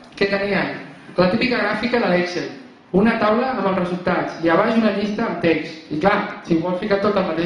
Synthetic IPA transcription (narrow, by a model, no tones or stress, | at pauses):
kɛt̪əniən | lət̪ipikəɣɾafikəðəlɛkseɾ | unət̪awləəməlˠsrəzulˠt̪at͡siəβ̞azunəʎist̪əːmt̪ɛksiklasibɔlfikat̪ot̪əlˠmət̪e